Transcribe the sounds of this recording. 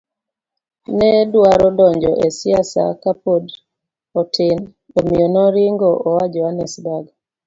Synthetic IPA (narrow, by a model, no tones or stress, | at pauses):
nɛdwaɾɔdɔɲd͡ʒɔ̰ʔesiasa̰kapod | ɔtɪn | omiɔnɔɾɪŋɡɔʔɔwad͡ʒɔanɛsdaɡ